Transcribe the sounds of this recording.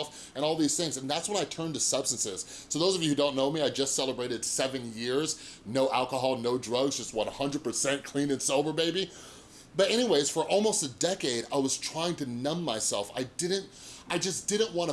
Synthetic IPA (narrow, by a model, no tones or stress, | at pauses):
lˠf | ɨ̃ñɔlˠðiz̥θɪ̃ŋzɨ̃n̩ðætswə̃naɪtʰɜ̃˞ntɨsʌb̥stn̩sɪz̥ | soʊðoʊzʌvjɨhʉdõʊ̃nːoʊmiaɪd͡ʒʌstsɛlˠəbɹeɪɾɨd̥sɛvɨ̃njɪɹz | noʊʔælˠkəɦɑlˠnoʊdɹʌɡzd͡ʒʌst̚wɑ̃ɾəhʌ̃ndɹəd̚pʰə˞sɛ̃nkʰl̥ĩnɨ̃nsɪlˠvə˞beɪbi | b̥ʌɾɛɾ̃iweɪz̥fə˞ʔɔlˠmoʊstɨdɛkeɪɾa̰ɪwʌz̥tʰɹ̥aɪɪ̃ŋtɨnʌ̃mːaɪsɛlˠfa̰ɪdɪdⁿn̩t̚ʔaɪd͡ʒʌsd̥ɪdⁿn̩ʔwɑ̃ɾ̃ə